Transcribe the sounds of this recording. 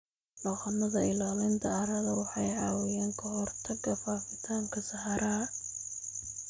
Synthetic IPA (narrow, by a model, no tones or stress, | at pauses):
lɐqɐnɐðɐɪlaːlɪnt̪ʰɐɐɾɐðɐwɑħɑjʕɑːwɪjɛːŋkʰɐɦɔrt̪ʰɐɡɐfaːfɪt̪ʰaːŋkʰɐsɐhɑɾɐɐ